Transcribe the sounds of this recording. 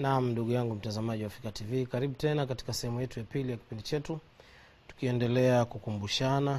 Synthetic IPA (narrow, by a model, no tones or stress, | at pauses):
nam̩nduɠujaŋɡum̩tazamaʄiwafikativikaɾiɓutɛnakati̥kasɛhɛmujɛtujapilijaki̥pindit͡ʃɛtu | tu̥kiɛndɛlɛakukumbuʃana